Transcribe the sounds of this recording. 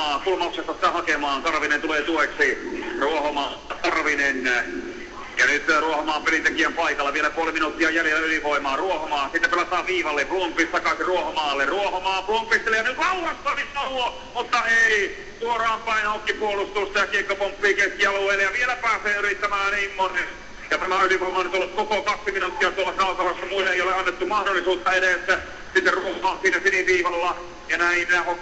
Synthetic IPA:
ɑːkulmɑuksest̪ɑsi̥t̪æhɑkemɑːnt̪ɑrʋinent̪uleːt̪ueksiruohomɑː | t̪ɑrʋinenːæ | jɑnyt̪ruohomɑːmpelint̪ekiempɑikɑlːɑʋielæpuoliminut̪ːiɑjæljelːæyliʋoimɑːruohomɑːsit̪ːæpelɑt̪ɑːʋʋiːʋɑlːeploŋppist̪ɑkɑsruohomɑːlːeruohomɑːplomkpist̪elːejɑnyt̪lɑuwɑst̪omismɑluo | mut̪ːɑei | suorɑːmpɑinhokːipuolust̪ust̪ɑjɑkikːopompːiːkeskiɑlueilːejɑʋielæpæːseːyɾit̪ːæmæːnimːonː | jɑt̪æmæyliʋomɑːnt̪olːut̪kokokɑksiminut̪ːiɑt̪uolːɑkɑut̪ɑlɑsːɑmuilːeeijoleʔɑnːet̪ːumɑhdolːˑisuːt̪ːɑeɾeˑsːæ | sit̪ːerruohkɑːsiːnæsiniʋiːʋɑlːɑ | jɑnæinnæho

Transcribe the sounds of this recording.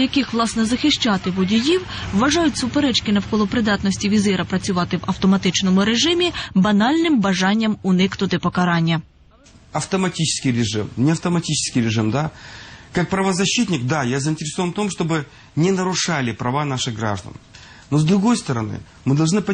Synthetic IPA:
jɐkɪxʋlˠɑsnɔzɐxɪʃt͡ʃɑt̪ɪʋʊdʲijiwʋɐʒɑjʊtʲsʊpeɾɛt͡ʃkɪnɐwkɔlˠɔpɾɪd̪ɑt̪nɔsʲtʲiʋʲizɪɾɐpɾɐt͡sʲʊʋɑt̪ɪwɐft̪ɔmɐt̪ɪt͡ʃnɔmʊɾeʒɪmʲibɐnɑlʲnɪmbɐʒɑnʲːɐmʊnɪknʊt̪ɪpɔkɐɾɑnʲːɐ | ɐft̪əmɐtʲit͡ɕɪ̥skʲijɾʲɪʐɪ̰mnʲɪɐft̪əmɐtʲit͡ɕɪ̥skʲɪjɾʲɪʐɪmd̪akak̚pɾɐʋɐzɐɕːit̪ʲnʲɪkd̪ajazəɪnʲtʲɪɾʲɪsovənft̪o̞mʂt̪o̞bɨ | nʲɪnɐɾʊʂalʲɪpɾɐʋanaʂɨɣɡɾa̰ʐd̪ɐ̰n | nozd̪ɾʊɡojst̪ɐɾɐnɨ̰ | mɨd̪ɐlˠʐnɨpɐ

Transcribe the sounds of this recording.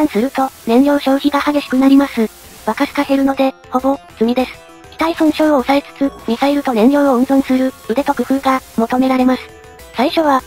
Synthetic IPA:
ãɰ̃sɨɾɯ̟t̪o̞nẽ̞ɰ̃jo̞ːɕo̞ːçiɡahaɡʲeɕi̥kɯ̟naɾʲimasɨ | βakaɕi̥kahe̞ɾɯ̟no̞d̪e̞ho̞bo̞t͡sɨɲ̟id̪e̞sɨ̥ | kʲi̥t̪aisõɰ̃ɕo̞ːoːsaet͡sɨ̥t͡sɨmʲisaiɾɯ̟t̪o̞nẽ̞ɰjo̞ːoɯ̟̃ñzõɰ̃sɨɾɯ̟ɯ̟d̪e̞t̪o̞kɯ̟ɸɯ̟ːɡamo̞t̪o̞me̞ɾaɾe̞masɨ̥ | saiɕo̞βa

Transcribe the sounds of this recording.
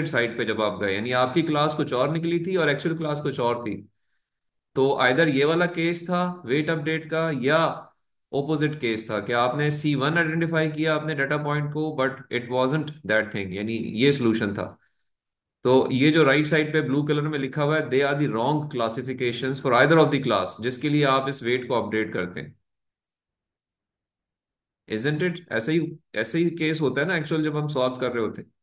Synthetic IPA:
ɪʈsaɪɖ̚ped͡ʒɐbaːp̚ɡaja̰ːniaːp̚kiklaːskot͡ʃɔːɾnɪklit̪ʰiɔːɾɛːk̚t͡ʃʊəlklaːskʊt͡ʃɔːɾt̪ʰḭː | t̪oːʔa̰ːɪd̪əɾjeʋaːlakeːst̪ʰaʋeːʈɐp̚ɖeːʈkaja | ɔːpoːzɪʈkeːst̪ʰakeaːpnesiːʋɐ̃naɪɖɛ̃ɳʈɪfaːɪkijaːpneɖeːʈapɔ̃ːɪ̃ɳʈ̚kobɐʈɪʈʋɔːzə̃ɳʈd̪ɛːʈ̚t̪ʰɪ̰̃ŋɡja̰ːnḭjesəljuːʃə̃nt̪ʰa̰ː | t̪oːjed͡ʒoːɾaɪʈsaɪɖ̚pebluːkɐləɾmẽlɪkʰaɦuaɛd̪eːaːd̪iɾɔ̃ːŋɡklaːsɪfɪkeːʃə̃nzfɔːɾaɪd̪əɾɔːfd̪ikla̰ːsd͡ʒɪskelieaːpɪsʋeːʈkoɐp̚ɖeːʈkɐɾt̪ḛ̃ɦɛ̰̃ː | ɪzə̃ɳʈɪʈɛ̰ːsaɦiɛ̰ːsaɦikeːsɦoːt̪aɦɛnaɛːk̚t͡ʃuəld͡ʒɐbɦɐ̃msɔːɾfkɐɾːeɦoːt̪ẽ

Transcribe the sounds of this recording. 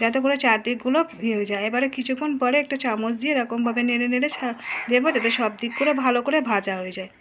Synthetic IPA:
d͡ʑat̪̬eɡulot͡ɕaɾd̪ikɡulokbʱiɦoed͡ʑaeebaɽekit͡ɕʰukʰːonpɔɽeɛk̚ʈat͡ɕamosd̪ieɾɔkombʱabeneɾeneɽet͡ɕʰad̪ebod͡ʑat̪eʃɔb̚d̪ik̚ɡulobʱalokoɽebʱad͡ʑaɦoed͡ʑae

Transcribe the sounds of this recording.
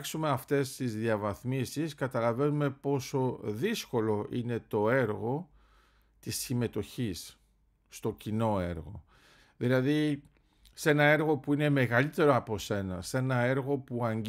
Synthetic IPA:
ksume̞ɐft̪e̞st̪izðiɐvɐθmisiskɐt̪ɐlɐvenume̞po̞so̞ðisko̞lo̞ʔine̞t̪o̞e̞ɾɣo̞ | t̪isime̞t̪o̞çis | st̪o̞cino̞e̞ɾɣo̞̰ | ðilɐði | se̞nɐe̞ɾɣo̞puine̞me̞ɣɐlit̪e̞ɾo̞ɐpo̞se̞nɐ̰se̞nɐe̞ɾɣo̞puɐɲ

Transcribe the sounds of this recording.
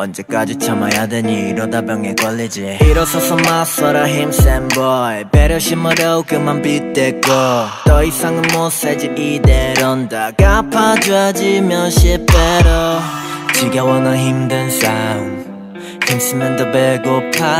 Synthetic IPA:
ʌnd͡ʑek͈ad͡ʑit͡ɕʰamajadeɲiːɾʌdabjʌŋekʌlːed͡ʑiiɾʌsʰʌsʰʌmasʌɾaɦimsembʌepeɾjoɕimɯɾʌkɯmanbit͈ːek͈otʌisaŋɯnmosed͡ʑiʔideɾʌndakapʰad͡ʑuad͡ʑimjʌɕipːeɾʌt͡ɕiɡewanaɦimdɯnsaŋ | himsimɯndobeɡopʰa

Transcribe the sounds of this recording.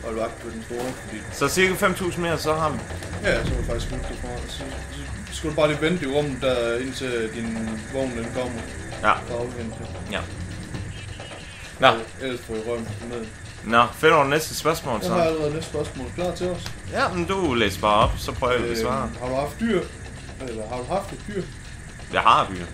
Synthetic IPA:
ɒ̥ɑ̈ɡ̥d̥pʰod̥ensd̥o̝ːɐfɒd̥ḭːsɒ̽siɐkæfem̰t͡sʰṵːsn̩me̝ɐsɒ̽ɦɑ̈ | jæjt͡sʰo̰ɔ̰ɐdufɑ̈ɡ̥d̥isɡ̥non̥ofʰɒsɒ | ɒ | sɡ̥ud̥ub̥ɑ̈ːliʋend̥iʁɔ̽m̰ð̩ˠd̥æe̝n̰t͡sʰe̝d̥inʋɔʊndenkʰɒm̰ɐæ̥ɑʊlʋen̰d̥ejæ | nelɐsb̥ʰɔiʁɶmfʰɒmeðˠ | nɒfemɒ̰dnesd̥əsb̥ɶɐsmɔ̰̽ːlsɒhɑæləʁɛð̩ˠnesd̥sb̥ɶɐsmɔ̰̽ːl̩ˠklɑ̰̈ːt͡sʰe̝ɒsjæmend̥ulḛːsb̥ɑ̈ːɒ̽b̥sɒ̽pʰʁœib̥esʋɑ̈ːhɑ̈ɾ̥uhɑ̈fd̥yɐ̰ | elɐɦɑ̈d̥uɦɑ̈fd̥edd̥yɐ̰ | jɑhɑ̈d̥y̰ɐ̰

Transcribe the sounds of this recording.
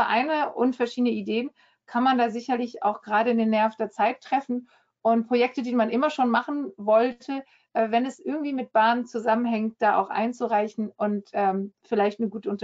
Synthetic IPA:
fɛɐʔaɪnəʔʊntfɛɐʃiːdənəideːən | kʰanmandaːzɪçɐlɪça̰ʊxɡ̥ʁaːɾəɪnenːɛɐfd̥eːɐt͡saɪtːʁ̥ɛfn̩ | ʔʊntpʁ̥ojɛk̚tədiːnmanʔɪmɐʃoːnmaχn̩vɔltʰə | ʔɛːvɛnɛsʔɪɐɡŋ̩tv̥iːmɪt̚b̥aːnnt͡suzamənɦɛŋt̚d̥aːʔa̰ʊxʔa̰ɪnt͡suʁaɪçn̩ʔʊntʔɛːmfɪlaɪçtnəɡuːtəʊntɐ

